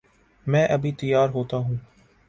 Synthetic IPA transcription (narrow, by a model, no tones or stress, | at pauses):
mɛ̃ːʔɐbʱit̪ɪjːaːɾɦoːt̪aɦũː